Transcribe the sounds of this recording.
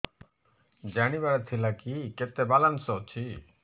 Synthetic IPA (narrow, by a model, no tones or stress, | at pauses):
d͡ʒaɽ̃iβaɽat̪ʰilakiket̪ebalansɔt͡ʃʰi